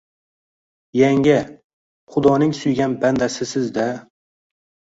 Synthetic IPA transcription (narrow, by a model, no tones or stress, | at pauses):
jaŋʲɪ | χʊd̪ɒnɪŋsʊjɡʲanband̪asɪsɪzd̪a